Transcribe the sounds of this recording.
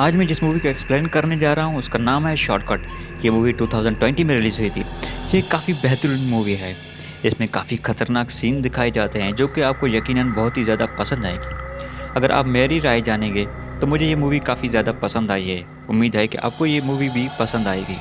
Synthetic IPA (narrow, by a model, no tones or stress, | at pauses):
aːd͡ʒmẽd͡ʒɪsmuːʋikaɪksplẽːnkɐɾned͡ʒaːɾaaɦũʊskanaːmɦɛʃɔ̰ːʈkɔːʈjemuːʋiʈuːt̪ʰaːʊzə̃ɳɖʈwɛ̃ɳʈimẽɾɪliːzɦoit̪ʰḭːjeːkːaːfibɛɦt̪ɾunmuːʋiɦɛː | ɪsmẽkaːfixɐt̪əɾnaːksiːnd̪ɪkʰaːid͡ʒaːt̪eɦɛ̃d͡ʒoːkeaːp̚kojɐkiːnənbɐɦʊt̪ɦizjaːd̪apɐsə̃nd̪aːeːɡiːɐɡəɾʔa̰ːpmeːɾiɾaːjd͡ʒaːnẽɡeː | t̪omʊd͡ʒʱejemuːʋikaːfizjaːd̪apɐsə̃nd̪aːiɦɛː | ʊmːiːd̪ɦɛkeʔa̰ːp̚kojemuːʋibʱipɐsə̃nd̪aːḛːɡḭː